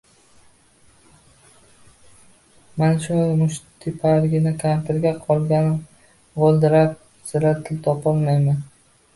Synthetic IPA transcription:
manʃʊjmʊʃt̪ʰɪpʰaɾɡʲɪnɪkʰʲamt̪ʰɪɾɡʲaqʰɒlˠɡʲanɪ | ʁolˠd̪ɪɾap̚ | z̥ɪɾat̪ʰɪlt̪ʰɒpɒlˠmajman

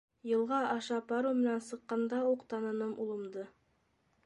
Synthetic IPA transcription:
jɤ̆lˠʁɑʔɑʃɑpɑɾumɘ̆nænsɤ̆qːɑnd̪ɑuqt̪ɑnɤ̆nɤmʔulˠɤ̆md̪ɤ

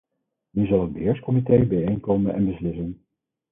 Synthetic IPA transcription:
nyzɑlˠɦəd̚bəɦɪːɹskɔmitejbɛjejnkowmənʔɛ̰nbəslɪsən

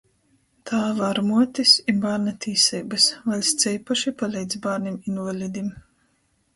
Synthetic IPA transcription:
t̪ʰaːvaɾmuɔt̪isibaːɾnat̪ʰʲiːsɛjbɨsvalʲsʲt̪sʲɛjpaʃipalʲɛjd̪zbaːɾnʲiminvalʲid̪ʲim

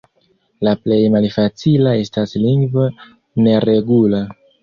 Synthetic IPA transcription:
laple̞jmalfat͡silae̞stasliŋɡvo | ne̞ɾe̞ɡula

